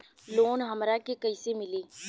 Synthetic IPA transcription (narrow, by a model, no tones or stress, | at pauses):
loːnɦɐmɾakekɐisemɪleː